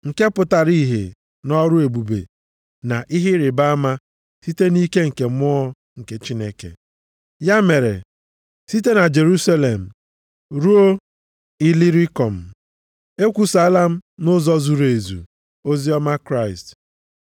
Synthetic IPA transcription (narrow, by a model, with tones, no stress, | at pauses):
ŋ̩˨ke˦pʊ˨ta˨ɾi˦˨ɦḛ˨ | nɔ˦ɾʊ˦e˨bu˨bḛ˨ | na̰˨ʔi˦ɦɪ˦ɾɪ˨ba˦a˦ma˦ | si˦te˦ni˦ke˦ŋ̩˨ke˨mʊ˦ɔ˦ | ŋ̩˨ke˨t͡ʃi˦ne˦kḛ˨ | ja˦me˨ɾḛ˨ | si˦te˦na˨d͡ʒe˨ɾu˦sa˦le˨m̩˨ | ɾu˦o˦ | i˦li˦ɾi˦kɔ˨m̩˨ | e˦kʷu˨sa˨a˦la˦m̩˦nʊ˦zɔ˦zu˨ɾe˨zṵ˨ | o˦zi˦ɔ˦ma˦kɾa˦˨ɪ˨st